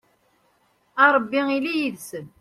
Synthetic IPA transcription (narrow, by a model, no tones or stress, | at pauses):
ɑɾˤbːiŋilijiðsən